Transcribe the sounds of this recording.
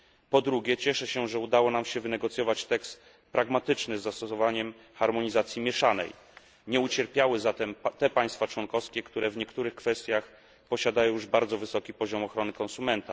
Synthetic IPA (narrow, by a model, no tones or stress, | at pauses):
pɔd̪ɾuɡʲɛt͡ɕɛʂɛɕɛʐɛud̪awɔnamɕɛvɘnɛɡɔt̪sʲjɔvat͡ɕt̪ɛkst̪ | pɾaɡmat̪ɘt͡ʂnɘzːast̪ɔsɔvaɲɛm | xaɾmɔɲizat̪sʲjimʲjɛʂanɛ̰j | ɲɛut͡ɕɛɾpʲjawɘzat̪ɛmt̪ɛpaj̃st̪fat͡ʂwɔnkɔfskʲɛkt̪uɾɛvɲɛkt̪uɾɘxkfɛst̪ʲjax | pɔɕad̪ajɔ̃juʐbaɾd̪zɔvɘsɔkʲipɔʑɔmɔxɾɔnɘkɔnsumɛnt̪a